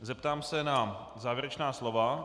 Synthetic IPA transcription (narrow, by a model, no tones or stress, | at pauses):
zɛp̚t̪aːmsɛna | zaːvjɛɾɛt͡ʃnaːslo̞va